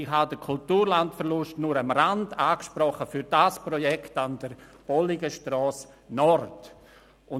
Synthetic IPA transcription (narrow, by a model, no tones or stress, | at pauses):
ɪɦadəkʰʊltuːɾlantfəɾlʊstnʊɾamɾandaːkʃpɾɔχəfyɾdaspɾɔjɛktand̥əɾb̥ɔliɡəʃtɾɔːs | nɔɾt | ʊ